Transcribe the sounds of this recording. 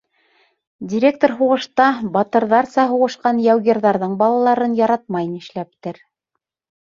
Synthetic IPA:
dʲiɾʲek̚t̪oɾɦuʁɤ̆ʃt̪ɑbɑt̪ɤ̆ɾðɑɾsɑɦuʁɤ̆ʃqɑnjæwɡʲerðɑɾðɤɴbɑlˠɑlˠɑɾɤnjɑɾɑt̪̚mɑjnɘ̆ʃlæp̚t̪ɘɾ

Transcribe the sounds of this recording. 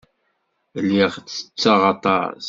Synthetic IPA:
lːiʁt͡sːə̥t͡sːɑʁɑt̪ˤɑ̰ɾ

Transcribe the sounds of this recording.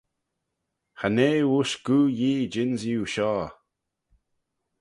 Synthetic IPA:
xaneːwuʃɡ̥uːjiːd͡ʒɪnzjuːʃɔː

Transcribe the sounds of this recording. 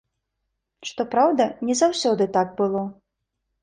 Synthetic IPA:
ʂt̪ɔpɾawd̪ɐnʲɛzawsʲɔd̪ɨt̪aɡ̚bɨlˠɔ

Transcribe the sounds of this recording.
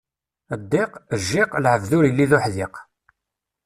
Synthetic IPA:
əd̪ːɪqəʒːɪqlʕəvðʊɾəlːiðʊħðɪq

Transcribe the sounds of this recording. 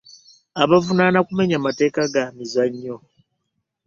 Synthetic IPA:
aβavunanakume̞ɲamate̞ːkaɡamizaɲːo̞

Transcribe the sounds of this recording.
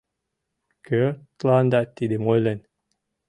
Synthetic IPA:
kʰøt̪land̪at̪ʲːid̪imojlenʲ

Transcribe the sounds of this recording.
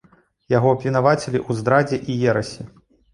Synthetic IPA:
jaɣɔɐpʲvʲinavat͡sʲelʲiʔuzd̪ɾad͡zʲɛʔijɛɾɐsʲi

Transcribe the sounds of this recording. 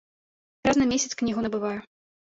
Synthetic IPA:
ɾaznɐmʲesʲɐt̪sknʲiɣunɐbɨvajɛ

